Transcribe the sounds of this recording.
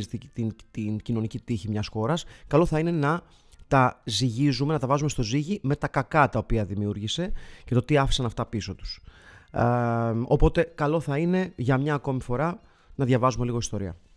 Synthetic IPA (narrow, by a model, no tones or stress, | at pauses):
zit̪iit̪int̪incino̞nicit̪içimɲɐsxo̞ɾɐskɐlo̞θɐine̞nɐ | t̪ɐziʝizume̞nɐt̪ɐvɐzumest̪oziʝime̞t̪ɐkɐkɐt̪ɐopiɐðimiuɾʝise̞ce̞t̪o̞t̪iɐfi̥sɐnɐft̪ɐpiso̞t̪u̥s | o̞po̞t̪e̞kɐlo̞θɐine̞ʝɐmɲɐːko̞mifo̞ɾɐ | nɐðʝɐvɐzume̞liɣo̞ist̪o̞ɾiɐ̰